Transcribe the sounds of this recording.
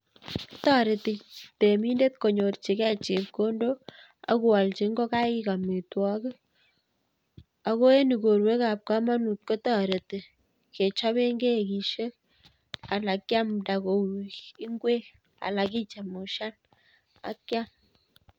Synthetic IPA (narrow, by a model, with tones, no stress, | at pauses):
tɔ˦ɾe˨ti˨te˨mi˦nde˦t̪̚ko˨ɲo˨rt͡ʃi˨kɛ˦t͡ʃe˨p̚ko˦ndo˦ | a̰˦ku˨wa˨lt͡ʃe˨˦ŋɡo˦ka˦i˦ka˨me˨twɔ˨˦ke˦ | a˨ko˦e˦ni˨ko˨ɾwe˦ka˨p̚ka˦ma˦nu˨t̪̚ko˦tɔ˨ɾe˨ti˨ | ke˨t͡ʃa˦βe˦ŋɡe˦˨ki˨ʃe˦k | a˨la˨kja˦mda˨ko˨i˨i˦ŋɡwe˦ | a̰˨la˨ki˦t͡ʃa˨mu˨ʃa˦n | a̰˨˦kːja˦m